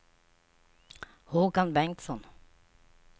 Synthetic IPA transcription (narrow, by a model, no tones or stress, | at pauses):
huːɡɑnbɛŋt̪sɔn